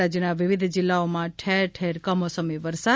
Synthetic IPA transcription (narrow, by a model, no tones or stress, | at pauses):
ad͡ʒjənaʋɪʋɪd̪ʱd͡ʒɪlːaomãʈʰeɾʈʰeɾkəmosəmiʋəɾsa